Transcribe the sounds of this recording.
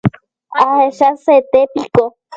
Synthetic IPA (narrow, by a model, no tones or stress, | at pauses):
aheʃaset̪epiko